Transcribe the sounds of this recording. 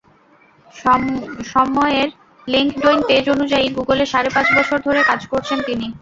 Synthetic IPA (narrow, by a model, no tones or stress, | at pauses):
ʃɔmɔeɾ | liŋkɖoinped͡ʑonud͡ʑaiɡuɡoleʃaɾepãt͡ɕbɔt͡ɕʰoɾd̪ʱoɾekad͡ʑkoɾt͡ɕʰent̪ini